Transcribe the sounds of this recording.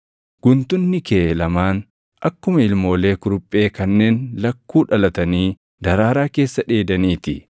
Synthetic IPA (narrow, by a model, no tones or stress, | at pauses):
ɡ̥ʊnt̪ʊnːɪkeːlɐmaːn | ʔɐkːʊmɐɪlmo̞ːle̞ːkʊɾʊpʼːe̞ːkɐnːe̞ːnlɐkːuːᶑɐlɐt̪ɐniː | d̪ɐɾaːɾaːke̞ːsːɐᶑe̞ːd̪ɐniːt̪ɪ